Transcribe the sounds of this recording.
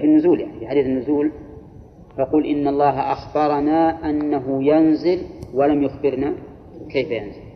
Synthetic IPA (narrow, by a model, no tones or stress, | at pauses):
finːʊzuːljaʕnifiħad̪iːθnːʊzuːl | fɑquːlʔɪnːɑlˤːɑːɦaʔaxbɑɾˤɑnaːʔanːaɦʊjanzɪlwalamjʊxbɪɾna | kajfajanzɪl